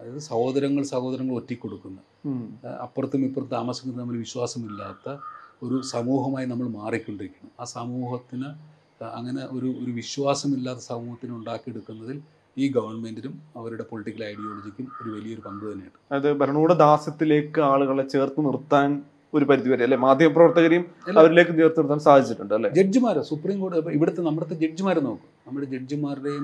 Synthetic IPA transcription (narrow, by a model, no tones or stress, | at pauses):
ɐðɐðɨsɐho̞ːðɐɾɐŋːɐɭsɐho̞ːðɐɾɐŋːɐɭo̞tːikʲːo̞ɽukːunːɐ | ɐ̰pːɐrɐt̪ːumipːort̪ːt̪aːmɐsjɐkːɐnɐmːɐlʋiɕwaːsɐmilːaːt̪ːɐo̞ɾusɐmuːɦɐmaːjinɐmːɐɭmaːrikʲːuɳɖiɾikʲːuɳɐmaːsɐmuːhɐt̪ːinɨ | ɐ̰ŋːɐne̞ʔoɾuoɾuʋiɕwaːsɐmilːaːt̪ːɐ̥sɐmuːhɐt̪ːinuɳɖaːkːijeɽukːunːɐðil | iːɡɐʋɐrɳme̞ndiɾumɐʋɐɾuɽe̞po̞liʈːikʲːɐlɐjɽijoːlod͡ʑikʲːumo̞ɾuʋɐlijɐoɾupɐnd̪ut̪ɐnːejiɳɨɐðɨbɐɾɐɳuːɽed̪aːsɐt̪ːile̞ːkːɨaːɭuɣɐɭet͡ɕːe̞ːrt̪ɨnirt̪ːaːn | o̞ɾupɐɾuðiʋɐɾɐjɐlːemaːd̪ʱjɐmɐprɐʋɐrt̪ɐɣɐɾɐjumɐʋɐɾile̞ːkːɨneːrt̪ɨnirt̪ːaːnsaːd̪ʱit͡ɕːiʈːuɳɖɨɐlːeːd͡ʑed͡ʑumaːɾoːsupriːmko̞ːɖɨɐpːɐiʋiɽet̪ːenɐmːɐɽɐt̪ːed͡ʑe̞ʈ̚d͡ʑumaːɾenoːkːunɐmːɐɽed͡ʑed͡ʑumaːriɽe